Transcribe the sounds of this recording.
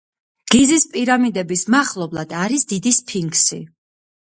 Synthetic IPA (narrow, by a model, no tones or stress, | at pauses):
ɡ̥izispʼiɾamid̪ɛbismaχlˠɔblˠad̪aɾisd̪id̪ispʰiŋɡsḭ